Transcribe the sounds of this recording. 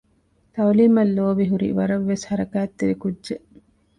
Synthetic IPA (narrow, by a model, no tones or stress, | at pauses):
t̪ɐwliːmɐlːoːbiɦuɾḭʋɐɾɐʋːeshɐɾɐkæːt̪ːeʋikudd͡ʒeʔ